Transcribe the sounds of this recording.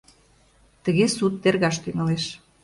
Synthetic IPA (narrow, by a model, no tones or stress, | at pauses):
t̪ə̆ɣesut̪̚ːerɣɑʃt̪yŋəleʃ